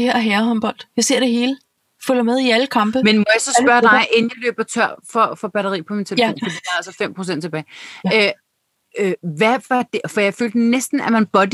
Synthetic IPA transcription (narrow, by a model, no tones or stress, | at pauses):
eheɐ̰ɦæːɐhɒ̽mb̥ɒ̽l̰d̥jɑse̝ɐ̰d̥e̝ɦe̝ːlə | fylɐmeð̞ˠiæləkʰɑ̈mb̥əmenmɒjɑ̈sɒ̽spɶɐd̥ɑɪʔenjɑlø̰ːb̥ɐt͡sʰɶɐ̰fɒ̽fɒ̽b̥æɾɐʁḭːpʰɒ̽mint͡sʰelpo̰ːnfɒdit͡sʰɑ̈sɒfem̰pʰʁosen̰d̥t͡sʰeb̥ɛːɪø | øʋæfɑd̥efɒ̽jɑ̈ɪfø̰ːld̥nesd̥n̩æmænb̥ɒ̽d̥